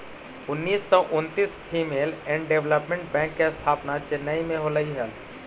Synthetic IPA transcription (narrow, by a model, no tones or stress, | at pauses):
ʊnːiːsːɔʔʊnt̪iːspʰiːmeːlɛ̃ːɳɖɖeʋləpmẽɳʈ̚bɛ̃ːŋkːest̪ʰaːpnat͡ʃɪnːaimẽɦoləiɦəl